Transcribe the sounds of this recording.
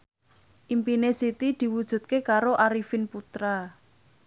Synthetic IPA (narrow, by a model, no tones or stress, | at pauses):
ʔimpinesit̪id̪̥i̤wud̥ʒ̥ṳt̪̚kekaɾoʔaɾifɪnput̪ɾa